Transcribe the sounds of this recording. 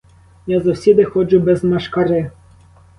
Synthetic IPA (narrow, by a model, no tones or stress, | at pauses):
jazɔwsʲid̪ɪxɔd͡ʒʊbɛzmɐʃkaɾɪ